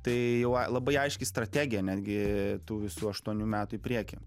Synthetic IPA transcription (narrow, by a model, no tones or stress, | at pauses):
t̪ɐɪjɛʊɐlˠɐbɐɪɐɪʃʲkʲɪst̪ɾɐt̪ʲæːɡʲɪjɛnʲæːd̪ʲɡʲɪt̪uːʋʲɪsuːɐʃt̪uɔnʲuːmʲæːt̪ʊɪpʲɾʲiɛkʲɪ